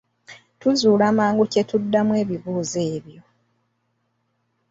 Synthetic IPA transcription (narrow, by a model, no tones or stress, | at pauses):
tuzuːlamaːŋɡucetudːamwe̞ːβiβuːze̞ːβjo̞